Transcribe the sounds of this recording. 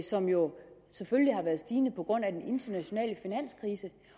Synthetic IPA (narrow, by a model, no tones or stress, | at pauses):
sɒ̽mjo̝seføllihɑ̈ʋæːɐð̞̩ˠsd̥iːnəpʰɒ̽ɡ̥ʁɔ̽n̰æd̥enʔe̝nd̥ɐnæɕo̝nɛ̰ːləfinæn̰skʰʁiːsə